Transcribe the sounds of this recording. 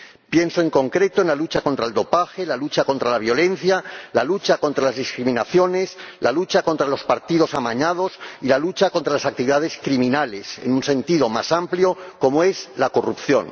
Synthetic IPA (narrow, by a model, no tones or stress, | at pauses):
pje̞nso̞e̞ŋko̞ŋkɾe̞t̪oenlalut͡ʃako̞nt̪ɾae̞ld̪o̞paxe̞lalut͡ʃako̞nt̪ɾalaβ̞jo̞le̞n̟θjalalut͡ʃako̞nt̪ɾalazðiskɾimĩnaθjo̞ne̞slalut͡ʃako̞nt̪ɾalo̞spaɾt̪iðo̞samaɲað̞o̞silalut͡ʃako̞nt̪ɾalasak̚t̪iβiðað̞e̞skɾimĩnale̞se̞̰nunse̞nt̪iðo̞masampljo̞ko̞moe̞zlako̞rupθjo̞̰n